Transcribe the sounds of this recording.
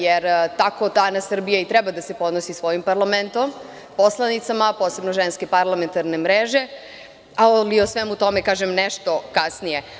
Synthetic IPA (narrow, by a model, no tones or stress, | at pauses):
jeɾt̪ako̞t̪anasr̩bijait̪ɾɛbad̪ase̞po̞d̪nosisʋo̞jimpaɾlament̪o̞m | poslˠanit̪samapo̞ːse̞bnoʒenske̞paɾlˠame̞nt̪aɾne̞mɾeʒe̞ | aoliosʋemut̪o̞mekaːʒemneʃt̪o̞kasnije̞